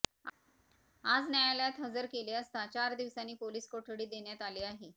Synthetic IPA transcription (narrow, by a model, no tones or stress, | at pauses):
ad͡znjajaljat̪ɦəd͡zəɾkeleəst̪at͡ɕaɾd̪iʋsanːiːpoliːskoʈʰəɽiːd̪eɳjat̪aliːaɦe